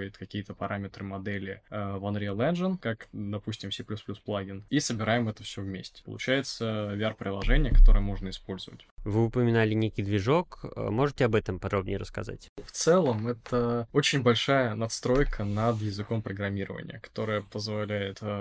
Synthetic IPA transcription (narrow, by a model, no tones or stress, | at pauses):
jɪt̪kɐkʲijət̪əpɐɾamʲɪt̪ɾɨmɐd̪ɛlʲɪvɐnd̪ɾʲelˠɛnʐənkakd̪ɐpusʲtʲɪmsʲɪplʲusplʲusplˠaɡʲɪnisəbʲɪɾajɪmɛt̪əfsʲɵvmʲesʲtʲɪ̥pə̰lˠʊt͡ɕæjɪt̪səvʲɪarpɾʲɪlˠɐʐɛnʲɪjəkɐ̥t̪o̞ɾɨjəmo̞ʐnəɪspo̞lʲz̥əvə̰tʲvɨʊpəmʲɪnalʲɪnʲekʲɪjd̪vʲɪʐo̞kmo̞ʐɨtʲɪɐbɛt̪əmpɐd̪ɾo̞bnʲɪ̰jəɾəskɐ̰za̰tʲft̪sɛlˠəmɛt̪əot͡ɕɪnʲbɐlʲʂajənɐt̪st̪ɾo̞jkʰənɐd̪jɪzɨko̞mpɾəɡɾɐmʲiɾə̰və̰nʲɪ̰jəkɐ̥t̪o̞ɾəjəpəzvɐlʲæjɪt̪